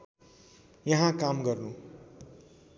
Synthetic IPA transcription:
jʌɦãkamɡʌrnu

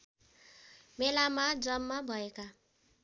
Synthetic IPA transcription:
melamad͡zʌmːabʱʌeka

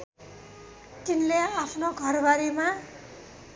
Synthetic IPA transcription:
t̪inleapʰnoɡʱʌrbaɾima

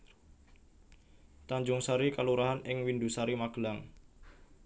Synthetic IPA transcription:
t̪aɲd͡ʒʊŋsaɾikaluɾaɦanɪŋwindusaɾimaɡ̥laŋ

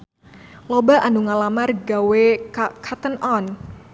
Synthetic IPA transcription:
lobaʔanuŋalamarɡawekʰat̪ənɔn

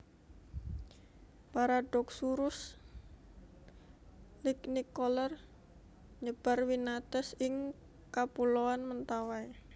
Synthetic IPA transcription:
paɾaɖɔk̚suɾʊs | lɪknikɔlər | ɲəb̥a̤rwinat̪ɛsɪŋ | kapulowanmənt̪awae

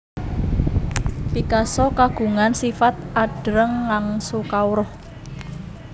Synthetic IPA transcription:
pikasɔkaɡ̥ṳŋansifat̪̚ʔaɖ̥ɾəŋːaŋsukawɾɔh

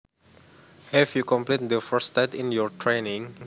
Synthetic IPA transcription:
hɛfjukɔ̃mplet̚d̪əfəstaɪtĩnjɔtʰɹenĩŋ

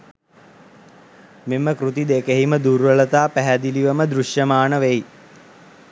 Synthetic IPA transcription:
meməkɾut̪id̪ekeɦiməd̪uɾʋələt̪aːpæɦæd̪iliʋəməd̪ɾuʃjəmaːnəʋej

